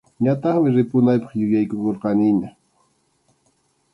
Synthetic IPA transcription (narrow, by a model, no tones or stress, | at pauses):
ɲat̪ɑχmɪɾɪpʊnajpɑχjʊjajkʊkoɾqɑnɪɲa